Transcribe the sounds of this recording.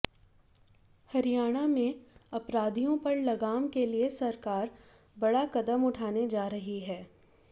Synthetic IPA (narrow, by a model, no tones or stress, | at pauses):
hɐɾijaːɽ̃amẽɐpɾaːd̪ʱijõpɐɾlɐɡaːmkeliesɐɾkaːɾ | bɐɽakɐd̪əmʊʈʰaːned͡ʒaːɾɐɦiɦɛː